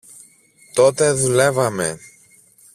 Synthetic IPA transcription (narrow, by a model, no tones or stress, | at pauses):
t̪o̞t̪e̞ðule̞vɐme̞̰